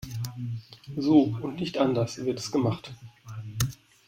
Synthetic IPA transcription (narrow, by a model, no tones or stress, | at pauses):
zoːʊntnɪçtʔandɐsv̥ɪɐtɛsɡ̥əmaχt